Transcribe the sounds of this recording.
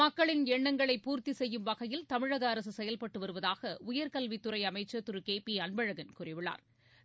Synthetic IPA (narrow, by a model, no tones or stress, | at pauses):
ɐkːɐɭɪnɛɳːɐŋɡɐɭɐɪpːuːɾt̪isɛjːɯmʋɐɣɐjɪlt̪ɐmɪɻɐɣɐːɾɐsɯsɛjɐlpɐʈːɯʋɐɾɯʋɐðaːɣɐʊjɐɾkɐlʋit̪ːɯɾɐɪɐmɐɪt͡ʃːɐt̪ːɯɾɯkeːpiɐnbɐɻɐɣɐnkʊrɪʋɪɭa̰ːɾ